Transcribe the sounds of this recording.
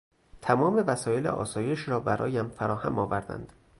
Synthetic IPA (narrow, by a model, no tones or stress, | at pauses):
t̪ʰæmɒːme̞væsɒːje̞lḛʔɒ̰ːsɒːje̞ʃɾɒːbæɾʔɒ̰ːjæmfæɾɒːhæ̰mɒːvæɾd̪æ̰nd̪̥